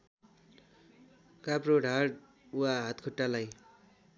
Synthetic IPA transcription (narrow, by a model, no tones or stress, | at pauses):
kaproɽʱaɽ | uaɦat̪kʰuʈːalaj